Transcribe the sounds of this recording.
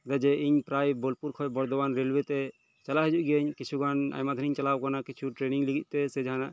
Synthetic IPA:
d̪ad͡ʒɛiɲpɾajbɔlpuɾkʰɔjbɔɾd̪ɔbanɾelwɛt̪ɛ | t͡ʃalaɦɛd͡ʒuʔ̚ɡeɲkit͡ʃʰuɡana̰jmad̪ʱəniɲt͡ʃalawkanakit͡ʃʰuʈɾeniŋliɡit̪̚ˀt̪ɛsɛd͡ʒanaʔ

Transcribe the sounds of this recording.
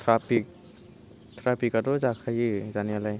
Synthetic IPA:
t̪ʰɾapik̚ | t̪ʰɾapikadɔzakʰajizanijalaj

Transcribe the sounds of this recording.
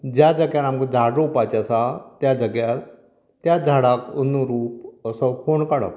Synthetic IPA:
d͡ʑjad͡zəɡjalamkəd͡zʱaɽɾupat͡ɕasat̪jad͡zəɡjal | t̪jad͡zʱaɽakənːuɾuːp̚əsəkoɳkaɽə̰

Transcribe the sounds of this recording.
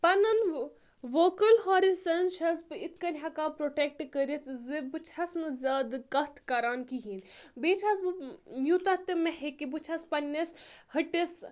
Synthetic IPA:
pɐnɐn | ʋoːkɐlɦoːɾisɐnʃʰɐsbɨit̪ʰkɐnʲɦakapɾoːʈek̚ʈkəɾit̪zɨbɨt͡ʃʰɐsnɨzʲaːd̪kɐt̪ʰkaɾaːnkiɦinbeːt͡ʃʰɐs̬ɨjut̪ɐt̪ɨmɐhekibut͡ʃʰɐspɐnːɐshɐʈis

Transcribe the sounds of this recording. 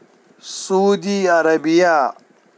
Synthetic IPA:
sudiːaɾɐbɪjaː

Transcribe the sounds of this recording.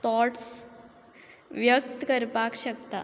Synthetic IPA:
t̪ʰɔʈs | ʋjək̚t̪kəɾpakɕəkt̪a̰

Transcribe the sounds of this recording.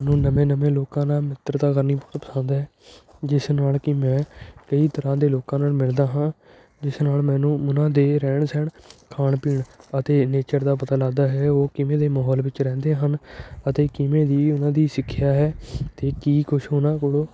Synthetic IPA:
nũːnəmẽːnəmẽːloːkãːnaːmɪt̪ɾt̪aːkəɾniːpot̪pə̥sə̃nd̪ɦɛː | d͡ʒɪsnaːlkɪmɛ̃ːkəiːt̪əɾãːd̪eːloːkãːnaːlmɪld̪aːɦãː | d͡ʒɪsnaːlmɛ̃ːnũːʊnãːd̪eːɾɛːɳsɛɳkʰaːɳpɪɳət̪eːneːt͡ʃəɾd̪aːpət̪aːlaːd̪aːɦɛːoːkɪmẽːd̪eːmɔːɦɔːlʋɪt͡ʃɾɛ̃ːnd̪eːɦənət̪eːkɪmẽːd̪iːʊnãːd̪iːsɪkʰːɪjaːɦɛːt̪eːkiːkʊʃɦoːnãːkoːɽoː

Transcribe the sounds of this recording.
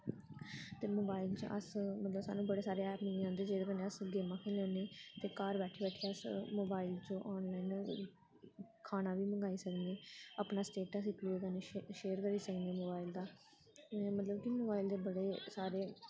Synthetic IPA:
t̪eːmoːbaːɪlt͡ʃʔə̰smət̪ləbsa̰ːnũːbəɽeːsaːɾeːɛːpmɪid͡ʒãːnd̪eːd͡ʒeːd̪eːkəneːəsɡeːmãːkʰeːleːneːt̪eːkaːɾbɛːʈʰiːbɛːʈʰiasmoːbaːilt͡ʃoːʔɔːnlaːin | kʰaːnaːʋiːməŋɡaːiːsəkneːəːpnaːsʈeːʈəsiːkluːkəneːʃeːəɾkəɾiːsəkneːmoːbaːild̪aː | mət̪ləbkimoːbaːild̪eːbəɽeːsaːɾeː

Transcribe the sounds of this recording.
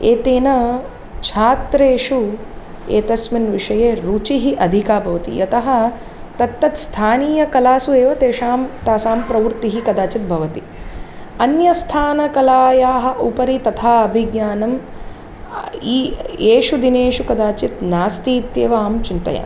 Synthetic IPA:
eːt̪eːnɐ | t͡ʃʰaːt̪ɾeːʂu | ḛːt̪ɐsmɐnʋiʂɐjeːɾuːt͡ʃiɦiʔɐd̪ʱikaːbʱɐʋɐt̪ḭjɐt̪ɐɦɐ̆ | t̪ɐt̪ːɐt̪st̪ʰaːniːjɐkɐlaːsueːʋɐt̪eːʂaːmt̪aːsaːmpɾɐʋɾt̪iɦikɐd̪aːt͡ʃit̪̚bʱɐʋɐt̪i | ɐnjɐst̪ʰaːnɐkɐlaːjaːɦɐ̆ʔupɐɾit̪ɐt̪ʰaːɐbʱiɡɲjaːnɐm | ieːʂud̪ineːʂukɐd̪aːt͡ʃit̪naːst̪iːt̪jeːʋaːmt͡ʃunt̪ɐ̰ja̰ː

